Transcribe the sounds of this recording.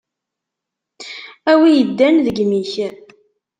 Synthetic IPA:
æwijəd̪ːænðəɡmiç

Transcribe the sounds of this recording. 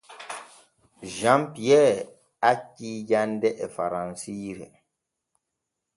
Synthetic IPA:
ʒãmpiɛː | aciːd͡ʒandɛʔɛfa̰ɾãnsiɾɛ̰

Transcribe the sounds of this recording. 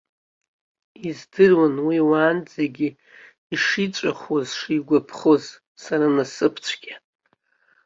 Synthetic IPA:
izdɨrwanwiwaːnd͡zeɡʲi | iʂit͡ʃʷʼaχwozʂiɡʷapʰχoz | saɾanasɨpʰt͡ɕʷʰɡʲa

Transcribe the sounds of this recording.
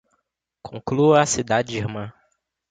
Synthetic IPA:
kʰõkluasid̪ad͡ʒd͡ʒiɾmɐ̃

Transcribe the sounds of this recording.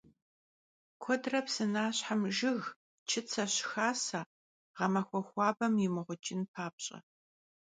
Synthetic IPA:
kʷʰɔdrɐpsɨnaːɕħamʒɪɣ | t͡ʃʰɪt͡sʰɐɕxaːsaː | ʁɐmɐxʷɔxʷɑːbɐmjɪmɨʁʷʊt͡ʃʼɪnpʰaːp̚ɕʼɐ̰

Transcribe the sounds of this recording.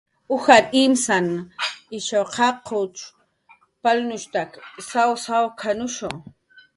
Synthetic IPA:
ʊxaɾɪmsanɪʃawqʰɑqʰʊt͡ʃ | palnʊʃt̪aksawsawkʰanʊʃo

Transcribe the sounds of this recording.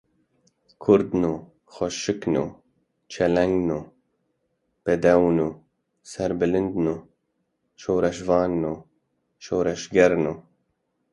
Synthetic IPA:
kʰʊɾd̪nuː | xɔʃɨknṵː | t͡ʃʰɛlɛŋɡnuː | b̥ɛd̪ɛwnuː | sɛɾbɨlɨnd̪nuː | ʃoːɾɛʃvɑːnːuː | ʃoːɾɛʃɡɛɾnuː

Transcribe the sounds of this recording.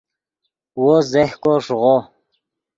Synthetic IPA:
wozehkoʂʁo

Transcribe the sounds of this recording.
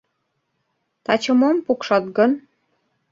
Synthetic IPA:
t̪ɑt͡ɕɤ̆mompukʃɑt̪ɡɤn

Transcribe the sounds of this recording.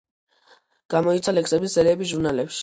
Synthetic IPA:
ɡ̥amɔit̪sʰalɛksɛbisːɛɾiɛbisʒuɾnalɛpʃi̥

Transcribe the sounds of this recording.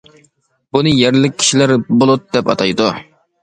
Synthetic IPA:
bunɨjæɾlɪk̚ʲʰːi̥ʃilæɾbolˠut̪̚d̪ɛpɑ̰t̪ʰɑjd̪u

